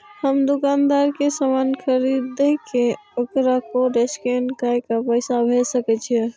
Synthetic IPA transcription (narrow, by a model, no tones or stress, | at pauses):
həmd̪ukand̪aɾkesəmankʰəɾid̪ekeokɾakoɾeskenkajkapəɪsabʱesəkɛt͡ʃʰiɛ